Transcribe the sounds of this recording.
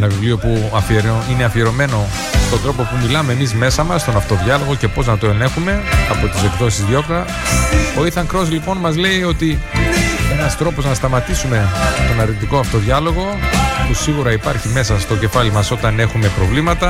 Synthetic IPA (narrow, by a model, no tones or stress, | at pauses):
enɐvivlio̞puɐfieɾoine̞ɐfie̞ɾo̞me̞no̞ | st̪od̪ɾo̞po̞pumilɐme̞ːmizme̞sɐmɐsːt̪o̞nɐft̪o̞ðʝɐlo̞ɣoce̞po̞znɐt̪oenexume̞ɐpo̞t̪ise̞kðo̞sizðio̞plɐ | oiθɐŋkɾo̞zlipo̞nmɐzle̞io̞t̪i | e̞nɐst̪ɾo̞po̞znɐst̪ɐmɐt̪isume̞t̪o̞nɐɾnit̪̬ikoɐft̪o̞ðʝɐloɣo̞pusiɣuɾɐipɐɾçime̞sɐst̪o̞ce̞fɐlimɐso̞t̪ɐne̞xume̞pɾo̞vlimɐt̪ɐ